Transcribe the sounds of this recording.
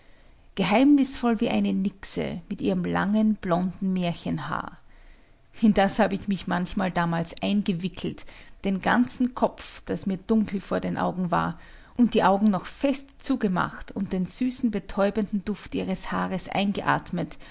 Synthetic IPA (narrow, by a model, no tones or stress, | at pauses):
ɡ̥əɦaɪmnɪsfɔlviːʔaɪnənɪksə̰mɪtʔiːʁəmla̰ŋənb̥lɔndn̩meːɐçənha̰ːɐ | ɪndashaːbəɪçmɪçmançmaːldaːmaːlsʔaɪnɡəvɪkʰl̩td̥eːnɡa̰nt͡sn̩kʰɔpfd̥asmiːɐd̥ʊŋkl̩foːɐdeːnʔa̰ʊɡŋ̩va̰ːɐ | ʔʊnt̚d̥iːʔaʊɡŋ̩nɔχfɛstt͡suːɡəma̰χtʊnt̚d̥eːnz̥yːsn̩bətʰɔʏbəndn̩dʊftʔiːʁ̞əshaːʁəsʔa̰ɪnɡəʔa̰ːɐtmət